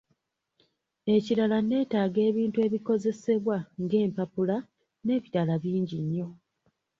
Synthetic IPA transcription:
e̞ciɾalane̞ːtaːɡe̞ːβiːntue̞ːβiko̞ze̞se̞βwaŋɡe̞ːmpapula | ne̞ːβiɾalaβiːɲɟiɲːo̞

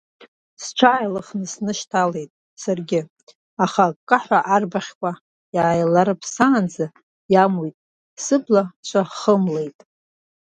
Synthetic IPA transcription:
st͡ʃʷʰaːjlɨχnɨsnɨʃtʰale̞jtʼ | sarɡʲɪ | aχakʼːaħʷaʔarbaχʲkʷʼa | jaːjlaɾɨpʰsaːnd͡za | jamojtʼ | sɨblat͡ʃʷʰaχəmle̞jtʼ

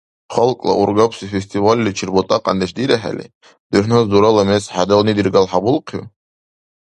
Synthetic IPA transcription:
χɔlkʼlˠa̰ʔurɡapʰsifesʲt̪ʼivalʲːit͡ʃʰirbɔt̪ʼaqʼa̰nd̪eʃd̪iɾaħa̰lʲḭ | d̪̥uħnazd̪uɾalamesħad̪alnid̪irɡalħabulˠqʰi

